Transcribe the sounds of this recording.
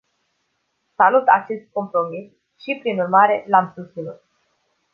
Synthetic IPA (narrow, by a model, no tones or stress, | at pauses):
salut̪at͡ʃe̞st̪̚ko̞mpɾo̞mis | ʃipɾinurmaɾe̞lamsut͡ʃ̪inut̪̚